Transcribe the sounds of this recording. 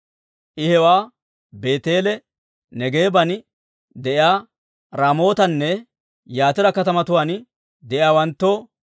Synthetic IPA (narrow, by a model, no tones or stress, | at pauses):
ʔɪhɛwaː | be̞ːt̪e̞ːlɛ | nɛɡe̞ːbɐn | d̪ɛʔɪaː | ɾaːmo̞ːt̪ɐnːɛ | jaːt̪ɪɾɐkɐt̪ɐmɐt̪ʊwaːn | d̪ɛʔɪaːwɐnt̪ːoː